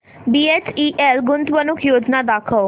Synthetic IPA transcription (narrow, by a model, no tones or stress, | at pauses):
biːet͡ʃiʔelɡʊnt̪ʋənʊkʰjoːd͡ʒnad̪aːkʰəo